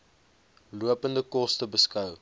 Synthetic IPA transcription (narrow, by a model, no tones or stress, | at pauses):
luəpəndəkɔstəbəskɐw